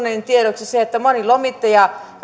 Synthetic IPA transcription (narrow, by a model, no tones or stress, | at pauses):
neint̪ieɾoksiseet̪ːæmonilomit̪ːɑjɑ